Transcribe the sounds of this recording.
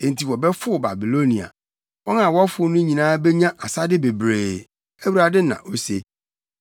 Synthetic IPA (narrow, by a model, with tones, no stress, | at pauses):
ẽ˨n˨tʰi˨wɔ˨bɛ˦fʊ˦˨ba̰˨bi˨lo˦nĩ˨a̰˨ | wɔ˦n˦ã˨wɔ˦fʊ˨˦nʊ̃˦ɲĩ˨nãː˦bɛ˦ɲã˦ʔa˨sa˦dɪ˦be˨bɾeː˨ | æ˦wu˦ɾa˨dɪ˦nã̰˨ʔo˦se˦